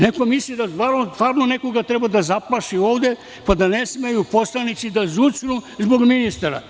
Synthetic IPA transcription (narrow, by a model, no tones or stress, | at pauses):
neko̞mislid̪ast̪ʋaɾnost̪ʋaɾnoneko̞ɡat̪ɾebad̪azaplaʃio̞ːʋd̪e̞ | pad̪ane̞sme̞jupo̞slˠanit̪sid̪azut͡ʃnuzbo̞ɡminist̪aɾa̰